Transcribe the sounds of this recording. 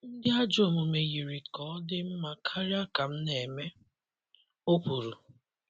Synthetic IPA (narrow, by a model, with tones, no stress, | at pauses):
n̩˦dɪ˦a˦d͡ʒo˦˨mu˨me˨ɣi˨ɾi˨kɔ˨˦dɪ˦m̩˦ma˨kʰa˦ɾi˦a˦ka˨m̩˦ne˨me˦ | o˦k͡pu˨ɾu˨